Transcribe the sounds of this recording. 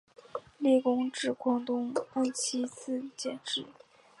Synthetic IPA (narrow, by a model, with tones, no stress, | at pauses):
li˥˩kʊ˥ŋʈ͡ʂɻ̩˥˩kwɑ˥ŋt̪ʊ˥ŋa˥˩t͡ɕʰi˥t͡s̩ʰ˥˩t͡ɕjɛ̰˨˩nʈ͡ʂɻ̩˥˩